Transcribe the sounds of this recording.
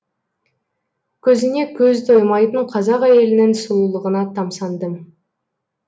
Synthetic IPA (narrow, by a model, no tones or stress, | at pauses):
kʲʰɵzɪne̞kʲʰɵzt̪ʰo̞jmɑjt̪əɴqʰɑzɑqæje̞lɪnɪnsʊlˠulˠəʁənɑt̪ʰɑmsɑnd̪əm